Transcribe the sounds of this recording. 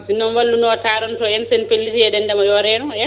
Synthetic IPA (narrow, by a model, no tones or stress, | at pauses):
sinːɔnwɐlːunɔtaːɾɔntɔɛnsenpelːitiɛɗɛndɛmɔjɔɾɛɗuŋɛ